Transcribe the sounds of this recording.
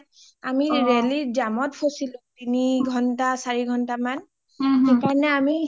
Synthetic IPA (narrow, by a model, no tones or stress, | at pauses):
amiɹeliɹzamɔtpʰosilʊ̃tiniɡʱɔntasaɹiɡʱɔntaman | xekanɛami